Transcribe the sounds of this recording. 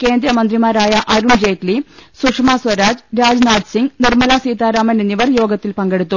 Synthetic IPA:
ke̞ːnd̪ɾɐmɐnd̪rimaːɾaːjɐʔɐɾuɳd͡ʑeːklisukʂmaːswɐɾaːd͡ʑɾaːd͡ʑnaːɖsiŋɡnirmɐlaːsiːt̪aːɾaːmɐneniʋɐrjo̞ːɡɐt̪ːilpɐŋɡeɽut̪ːu

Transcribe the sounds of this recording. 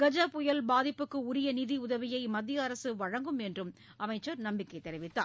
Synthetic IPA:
ɡ̥ɐd͡ʒɐpʊjɐlbaːðɪpːɯkːɯʊɾɪjɐniðiʊðɐʋɪjɐɪmɐd̪ːɪjɐɐɾɐsɯʋɐɻɐŋɡɯmɛndrɯm | ʔɐmɐɪt͡ʃːɐɾnɐmbɪkːɐɪt̪ːɛɾɪʋɪt̪ːa̰ː

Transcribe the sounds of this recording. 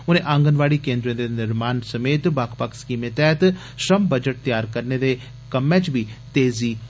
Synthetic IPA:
ʊnẽːʔãːŋɡənʋaːɽiːkẽːnd̪ɾẽːd̪eːnɪɾmaːnsəmeːt̪baːkʰpakskiːmẽt̪ɛːt̪ | ʃəmbəd͡ʒəʈ̚t̪jaːɾkəɾneːd̪eː | kəmːɛ̃ːt͡ʃbiːt̪eːziː

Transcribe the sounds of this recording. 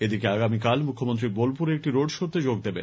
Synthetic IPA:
ed̪ikeaɡamikalmukʰːomont̪ɾibolpuɾek̚ʈiɾoɖʃoɾt̪ed͡ʑoɡ̚d̪ebḛ

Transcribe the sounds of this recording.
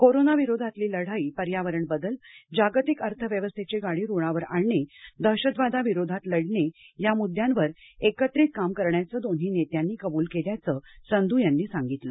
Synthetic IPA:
koɾonaʋiɾod̪ʱat̪liːləɽ̤aiːpəɾjaʋəɾəɳbəd̪əld͡ʑaɡt̪ikəɾt̪ʰəʋjəʋəst̪ʰet͡ɕeɡaɽiːɾuɭ̃ãʋəɾa̰ɭɳed̪ʱəɕəd̪ʋad̪ʱaʋiɾod̪ʱat̪ləɽɳejamud̪ʱjãnʋəɾekət̪ɾiːt̪̚kamkəɾɳjat͡səːd̪on̤ɦiːnet̪janːiːkəbuːlkeljat͡səsənd̪ʱuːjanːiːsaŋɡit̪lə

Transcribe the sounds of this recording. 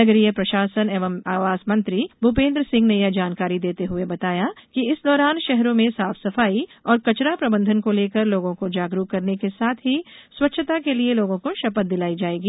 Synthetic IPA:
ɐɡəɾijəpɾɐʃaːsəneːʋəmaːʋaːzmɐ̃nt̪ɾibʱʊpẽːnd̪ɾəsɪ̃ŋɡnejad͡ʒaːnkaːɾid̪eːt̪eɦʊebɐt̪aːjakiɪsd̪ɔːɾaːnʃɛɦɾõmẽsaːfsɐfaːiɔːɾkɐt͡ʃɾapɾɐbə̃nd̪ʱənkoleːkəɾloːɡõkod͡ʒaːɡɾuːkːɐɾnekesaːt̪ʰɦiswɐtːʃʰət̪akelieloːɡõkoʃɐpət̪̚d̪ɪlaːid͡ʒaːeːɡiː

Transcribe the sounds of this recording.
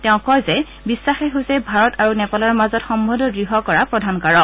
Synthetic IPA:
tɛʊ̃kɔjzɛ | bisːaxɛɦojsɛbʱaɹɔtʰaɹunɛpalaɹmazɔtxɔmbɔdɔɡɹiɦɔkɔɹapɹɔdʱankaɹɔk

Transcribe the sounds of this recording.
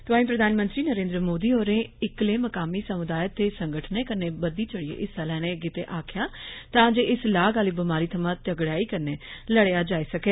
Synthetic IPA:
t̪ʊaːĩːp̬ɾəd̪ʱaːnmə̃nt̪ɾiːnəɾẽːnd̪ɾəmoːd̪iːɦoːɾẽːɪkleːməkaːmiːsəmʊd̪aːjət̪eːsəŋɡəʈʰneːkəɾneːbəd̪iːt͡ʃəɽiḛʔɪsalɛːnẽːɡɪt̪ḛːʔaːkʰɪjaːt̪ãːd͡ʒeːɪslaːɡaːliːbəmaːɾiːt̪ʰəmãːt̪əɡɽaːiːkəɾneːləɽeːaːd͡ʒaːiːsəkeː

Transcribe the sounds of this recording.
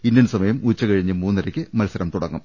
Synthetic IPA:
indjɐnsɐmɐjɐmuːt͡ɕːɐkɐɻiɲːɨmuːnːɐɾɐkʲːɨmɐlɐsɐɾɐmt̪uɽɐŋːum

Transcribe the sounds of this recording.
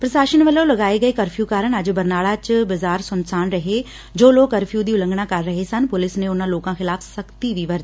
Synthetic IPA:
pɾɐsaːʃəñʋəlolɐɡaːeɡɐekɐɾfʰijukaːɾəɽ̃ɐd͡ʑbɐɾnaːɭat͡ʃbɐzaːɾsʊnsaːnɾɐɦe | d͡ʒoːloːkːɐɾfʰijud̪iːʊlə̃ŋɡɽakɐɾːɐɦesɐnpʊlɪsnẽʊnãloːkãxɪlaːfʰsɐkt̪iʋiʋɐɾd̪i

